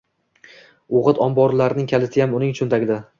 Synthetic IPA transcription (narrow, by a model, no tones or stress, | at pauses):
oʁɨt̪ɒmbɒɾlaɾɪnɪŋkʲʰalɪt̪ʰɪjamʊnɪŋt͡ʃʰʊnt̪ʰaɡʲɪd̪a